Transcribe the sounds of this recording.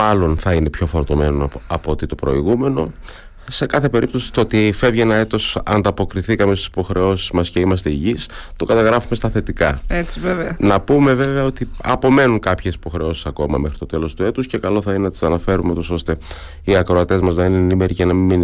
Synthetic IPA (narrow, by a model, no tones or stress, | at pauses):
ɐlo̞nθɐine̞pço̞fo̞ɾt̪o̞me̞noɐpoot̪it̪o̞pɾo̞̰iɣume̞no̞̰ | se̞kɐθe̞pe̞ɾip̚t̪o̞si̥t̪ot̪ife̞vʝenɐet̪o̞sɐ̰nd̪ɐpo̞kɾiθikɐmest̪isi̥po̞xɾe̞o̞sizmɐsceimɐs̬t̪e̞iʝist̪o̞kɐt̪ɐɣɾɐfume̞st̪ɐθe̞t̪ikɐet͡siveveɐnɐpume̞ve̞ve̞ɐo̞t̪iɐpo̞me̞nuŋkɐpçe̞si̥po̞xɾe̞o̞si̥sɐko̞mɐ̰me̞xɾit̪o̞t̪e̞lo̞st̪ue̞t̪usce̞kɐlo̞θɐinenɐt̪i̥sɐnɐfe̞ɾumeut̪o̞so̞st̪e̞ | iɐkɾoɐt̪e̞zmɐznɐinenime̞ɾicenɐmimin